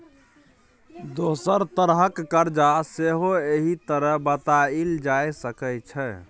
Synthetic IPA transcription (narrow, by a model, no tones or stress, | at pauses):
d̪osəɾt̪əɾɦəkːəɾd͡ʒaseɦoeɦit̪əɾəɦbət̪aild͡ʒajsəkɛt͡ʃʰɛ